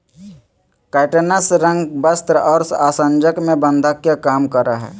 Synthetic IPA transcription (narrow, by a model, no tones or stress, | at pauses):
kɛːʈənəsɾə̃ŋɡbəst̪ɾəɔːɾsaːsə̃nd͡ʒəkmẽbə̃nd̪ʱakjakaːmkəɾaɦɛ̰ː